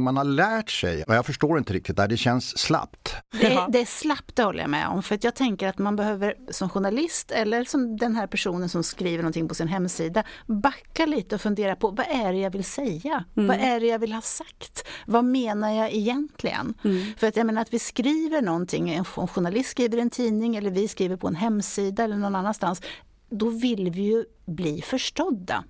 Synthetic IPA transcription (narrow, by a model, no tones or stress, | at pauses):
manhalæːʈʂɛ̰jɔjɑːɡfœʂʈoːɾɪnt̪əɾɪk̚t̪ɪt̪̚d̪æɖɛɕɛnsːla̰pt̪d̪ɛd̪ɛæslap̚t̪d̪ɛhɔlːə̰ja̰mɛ̰ɔ̰mfœɾat̪jɑːɡ̚t̪ʰɛŋkəɾat̪manbɛɦøːvəɾsɔmɧʊɳalɪst̪ɛlːəɾsɔmd̪ɛnɦæːɾpʰæʂuːnənsɔmskɾiːvəɾɳɔnt̪ʰɪŋːpʰɔsɪnɦɛmːsiːd̪abakːaliːt̪əɔfɵnd̪eːɾapʰɔvaʔæɖɛjavɪlsɛjːavaʔæɖɛjavɪlhɑːsakt̪vameːnaɾjɑːɛjɛnt̪ʰlɪ̰ɡə̰nfœɾat̪jameːnaɾat̪vɪskɾiːvəɳɔnt̪ʰɪŋːɛnɔɧʊɳalɪst̪skɾiːvəɾɛnt̪ʰiːnɪŋɛlːəɾvɪskɾiːvəɾpʰɔɛnɦɛmːsiːd̪aɛlːəɳɔnːanːanst̪ans | d̪ɔvɪlvɪjɵ | bliːfœʂʈɔd̪ːa̰